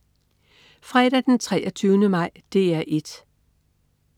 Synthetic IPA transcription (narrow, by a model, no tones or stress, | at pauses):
fʁɛːɾæd̥ent͡sʰʁɛːʔɒt͡sʰyːʊnəmɑ̈ɪ̰d̥e̝̰ːæʔe̝d̥